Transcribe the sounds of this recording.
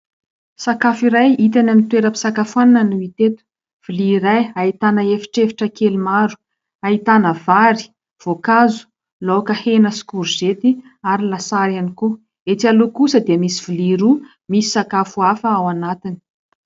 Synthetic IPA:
sakafiɾajit̪anamit̪weɾəpi̥sakafuananənuit̪et̪u̥ | v̥iliːɾajait̪anəefi̥ʈ͡ʂefi̥ʈ͡ʂəkelimaɾu̥ | ait̪anəvaɾi̥ | v̥okazu̥ | lokəhenəsi̥kuɾuz̥et̪i | aɾilasaɾaniku | et̪ialukusəd̪iəmisiv̥iliɾu | misi̥sakafuafəawanat̪ini̥

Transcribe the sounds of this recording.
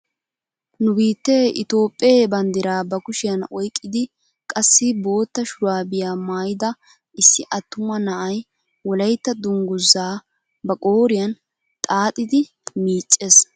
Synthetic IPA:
nʊbiːt̪ːeʔɪ̰t̪o̞ːpʼːeːbɐnd̪ɪɾaːbɐkʊʃɪjɐnɔjkʼːɪd̪ɪ | kʼɐsːɪbo̞ːt̪ːɐʃʊɾaːbɪjaːmaːjɪd̪ɐ | ʔɪsːɪʔɐt̪ːʊmɐnɐʔɐj | wɔlɐjt̪ːɐd̪ʊŋɡʊzːaː | bɐkʼoːɾɪjɐn | t̪ʼaːt̪ʼːɪd̪ɪ | miːt͡ʃʼːes

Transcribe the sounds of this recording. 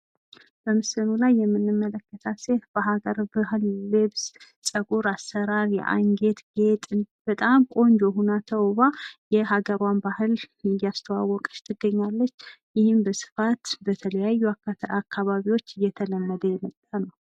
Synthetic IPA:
b̥əmɨsɨnulajːɛmːɨnːɨmːələkːət̪ʰasefb̥əɦaɡəɾbɨɦɨllɨβs | sʼəkʼuɾasːəɾaɾjɛ̰ʔa̰ŋɡe̞t̪ɡe̞t̪ʼɨnb̥ət̪ʼamkʼo̞nd͡ʒoɦunat̪ʰəwβajɛɦaɡəɾwanbahɨlɨjːast̪ʰəwa̰wːɔkʼɨ̥ʃt̪ʰɨɡːəɲːalːət͡ʃːjɪhɪmbəsɨ̥fat̪bət̪ʰələjajːuakʰːaβaβiwo̞t͡ʃːɨjːɛt̪ʰələmːəd̪əjɛmət̪ʼːanəw

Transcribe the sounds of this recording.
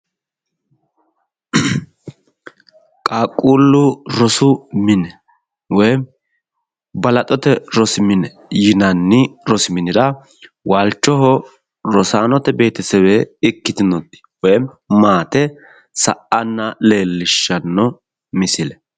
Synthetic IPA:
kʼaːkʼːuːlːʊɾɔsʊmɪnɛ | wɔj | bɐlɐt̪ʼɔt̪ɛɾɔsɪmɪnɛ | jɪnɐnːɪɾɔsɪmɪnɪɾɐ | waːlt͡ʃːɔɦɔ | ɾɔsaːnɔt̪ɛbe̞ːt̪ɪsɛweːɪkːɪt̪ɪnɔd̪ɪ̥wɔjm | maːt̪ɛ | sɐ̰ʔɐnːɐle̞ːlːɪʃːɐnːɔ | mɪsɪlɛ

